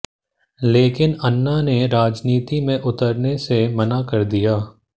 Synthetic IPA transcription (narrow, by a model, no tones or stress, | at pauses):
leːkɪnənːaneɾaːd͡ʒniːt̪imẽʔʊt̪əɾnesemɐnakɐɾd̪ijaː